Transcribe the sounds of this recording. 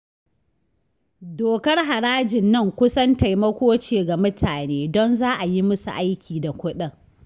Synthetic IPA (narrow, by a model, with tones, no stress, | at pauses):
doː˨kɐ˦rɦa˨ɽaː˦d͡ʒɪ˨nːɐ˦˨ŋkʷʊ˦sɐ˦nta˨jmɐ˦kʷoː˦t͡ʃeː˨ɡa˨mʊ˦tʰaː˨neː˦dɔ˦nzaː˦ʔa˨ji˦mʊ˦sṵ˨ʔa˦jkʲʰiː˨da˨kʷʊ˦ɗɐ˦ŋ